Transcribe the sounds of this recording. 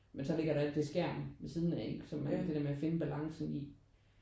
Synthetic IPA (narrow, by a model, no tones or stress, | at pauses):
mensɒ̽le̝ɡ̥ɐɾ̥ɑæld̥e̝sɡ̥æɐ̰mʋesiːð̞ˠnæeɡ̥sɒmːænd̥e̝d̥eɐmeæfe̝nəb̥ælɑ̈ŋsn̩i